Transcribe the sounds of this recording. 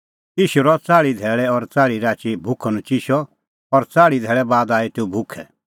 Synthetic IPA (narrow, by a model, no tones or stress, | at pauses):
iːʃuɾɔt͡saːɭid̪ʱɛːɭɛɔɾt͡saːɭiɾaːt͡ʃibʱʊkʰɔnũt͡ʃiʃɔ | ɔɾt͡saːɭid̪ʱɛːɭɛbaːd̪aːit̪eũbʱʊkʰɛ